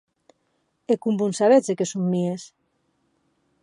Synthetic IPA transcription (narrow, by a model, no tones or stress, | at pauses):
ekumbunsaβet͡sekesumːies